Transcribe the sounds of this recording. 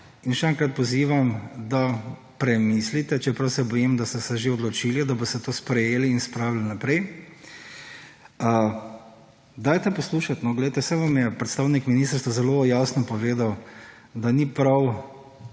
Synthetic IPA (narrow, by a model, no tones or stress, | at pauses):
inʃɛɛŋkɾat̪̚pɔziːʋamd̪a | pɾɛmislit̪ɛt͡ʃɛpɾɐwsɛbɔjimd̪ast̪ɛsɛʒeɔd̪lɔt͡ʃilid̪abɔst̪ɛt̪oːspɾɛjeːliːnspɾaːwlilnapɾɛj | d̪aːjt̪ɛpɔsluːʃat̪nɔɡlejt̪ɛsɛʋamjɛpɾɛt̪st̪aːwnikminist̪əɾst̪ʋazɛlojaːsnɔpɔʋeːd̪aw | d̪anipɾaw